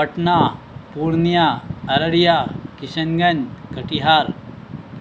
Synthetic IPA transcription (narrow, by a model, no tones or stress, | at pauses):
ɐʈnaː | puːɾnijaːɐɾɐɽijaːkɪʃənɡɐnkɐʈiɦaːɾ